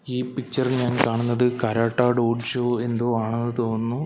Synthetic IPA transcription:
iːpik̚t͡ɕɐrilɲaːnkaːɳunːɐðɨkɐɾaːʈːaːɖoːɖʂoːe̞nd̪oːaːɳenːɨt̪o̞ːnːu

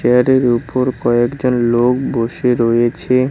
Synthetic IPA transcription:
eaɾeɾupoɾkɔekd͡ʑonlok̚boʃeɾojet͡ɕʰe

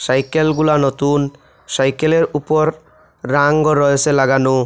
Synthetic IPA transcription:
sajkelɡulanɔt̪un | sajkeleɾupɔɾː | aŋɡɔɾɔesʰelaɡano

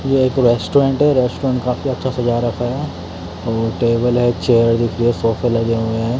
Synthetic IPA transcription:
jeːkɾeːsʈoɾẽːɳʈɦɛɾɛːsʈoɾãɳʈkaːfiɐtːʃʰasɐd͡ʒaːɾɐkʰɦ | ɔːɾʈeːbəlɦɛt͡ʃeːəɾd̪ɪkʰɾiesoːfəlɐɡeɦueɦɛ̃

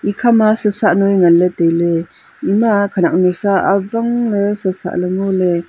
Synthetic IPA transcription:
ikʰamasəsaʔnojŋaletejle | imakʰanak̚nusaːbaŋlesəsa̰ʔleŋole

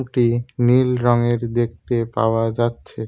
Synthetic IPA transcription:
ʈinilɾɔŋeɾd̪ek̚t̪epa̰oad͡ʑatːɕʰe

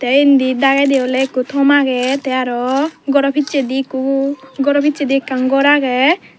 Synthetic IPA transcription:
t̪ɛind̪id̪aɡajd̪ɛɔlɛekut̪ʰɔmaɡɛt̪ɛaɾɔɡɔɾɔpʰit͡ʃed̪ikuɡɔɾɔpʰit͡ʃed̪ikːaŋɡɔɾaɡɛ

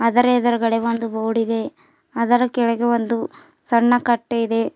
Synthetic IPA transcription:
ɐd̪ɐɾeːd̪ɐɾɐɡɐɽeʋond̪uʋoːɽid̪e̞ | ɐd̪ɐɾɐkɛɭɐɡeʋond̪u | sɐɳːɐkɐʈːeid̪e̞

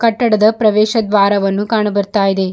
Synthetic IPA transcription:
kɐʈːɐɽɐd̪ɐpɾɐʋɛːʃɐd̪ʋaːɾɐʋɐnːukaːɳɐbɐɾt̪aːjid̪e̞

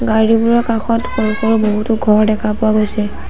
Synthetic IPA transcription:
ɡaɹibuɹɔkaxɔtpɔɹikɔɹʊboɦutʊɡʱɔɹdɛkʰapʊaɡojsɛ

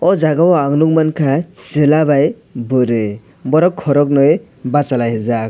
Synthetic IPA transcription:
ɔzaɡawaŋnuŋmankʰat͡ʃɯlaβaj | bɯɾɯ | bɔɾɔkʰːɔɾɔk̬̚nɯj | bat͡ʃalajɦezak̚

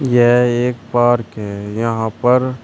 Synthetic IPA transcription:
jeɦeːkpaːɾkɦɛjɐɦãpɐɾ

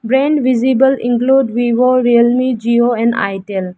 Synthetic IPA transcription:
bɾɛ̃ɳɖʋizibəlḭ̃ŋkluɖʋiʋoɾilmid͡ʒioɛ̃nɖa̰jʈel

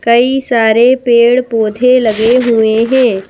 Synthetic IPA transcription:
kɐisaːɾepeːɽpoːd̪ʱelɐɡeɦʊeɦɛ̃ː

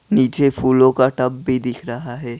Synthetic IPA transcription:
niːt͡ʃepʰuːlõkaʈɐbːʱid̪ɪkʰɾɐɦaɦɛː

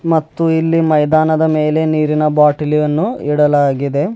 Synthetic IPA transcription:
mɐt̪ːuilːimɐjd̪aːnɐd̪ɐme̞ːle̞niːɾinɐbaːʈilijɐnːuiɽɐlaːɡid̪e̞

